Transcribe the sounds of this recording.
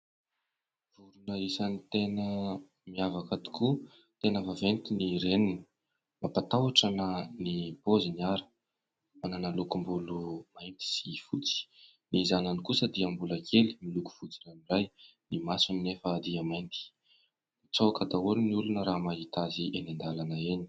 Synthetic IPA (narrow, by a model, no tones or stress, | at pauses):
v̥uɾunəisanit̪enə | miavakat̪i̥ku | t̪enəvavent̪iniɾeninə̥ | mapat̪awaʈ͡ʂanənipoziniaɾə̥ | mananəlukumbulumajnt̪i̥sifut͡si̥ | nizananikusəd̪iambulakʰeli̥miluku̥v̥ut͡sinamiraj | nimasuninefəd̪iamajnt̪i̥ | it͡sawakad̪auɾiniulunəɾamaɦit̪aziʔenand̪alanəeni̥